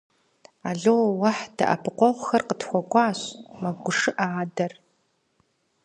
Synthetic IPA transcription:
aːɮowwɐħd̥ɐ̰ʔɐ̰pʰɨqʷɔʁʷxɐrqətxʷɔɡʷɑːɕmɐɡʷʊʂɨʔaːdɐr

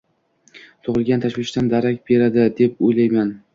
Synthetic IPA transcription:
t̪ʰoʁɨlˠɡʲant̪ʰaʃwɪʃt̪and̪aɾakʲbe̞ɾad̪ɪd̪e̞p̚ojlajman

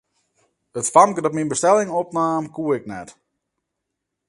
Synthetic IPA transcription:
ətfaŋkdɔtminbəstɛlɪŋɔpnaːmkuəɪknɛt

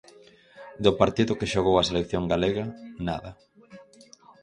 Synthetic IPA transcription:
d̪ʊpaɾt̪iðʊkɪʃoɣowaselekθjoŋɡaleɣɐna̰ðɐ

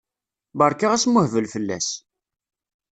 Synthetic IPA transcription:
bəɾˤkaʁæsmʊhvəlfəlːæ̰s

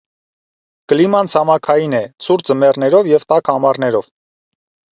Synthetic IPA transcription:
kəlimɑnt͡sʰɑmɑkʰɑjinɛt͡sʰuɾd͡zəmɛrnɛɾɔvjɛvt̪ɑkɑmɑrnɛɾɔv

